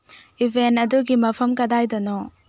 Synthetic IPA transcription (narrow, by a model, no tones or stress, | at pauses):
ibʱentɐduɡimɐpʰɐmkɐdajdɐnɔ